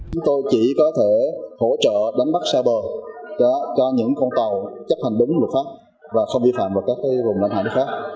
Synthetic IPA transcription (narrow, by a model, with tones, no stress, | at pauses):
t͡ɕʊ˨˦ŋ͡mt̪o˧jt͡ɕi˧˩kɔ˨˦t̪ʰe˧˩ho̰˧˥t͡ɕə̰ː˧˨ɗa˨˦jŋ̟ɓa˦˥k̚saː˧wɓəː˨˩ | t͡ɕɔ˧ɲɨ̰˧˥ŋkɔ˧nt̪ə˨˩wt͡ɕa˦˥ha˨˩ŋ̟ɗʊ˨˦ŋ͡mlə˨˩t̚faː˦˥p̚ | vaː˨˩xə˧wŋ͡mvi˧fa̰ː˧˨mvaː˨˩kaː˦˥k̚ːaː˨˦jvʊ˨˩ŋ͡mla̰˧˥jnha̰ː˧˨nɨ˦˥xaː˦˥k̚